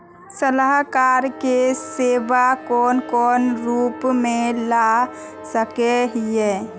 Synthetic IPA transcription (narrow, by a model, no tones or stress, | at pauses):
sələɦkaːɾkeseːbakɔːnkɔːnɾuːpmẽla | səkeɦe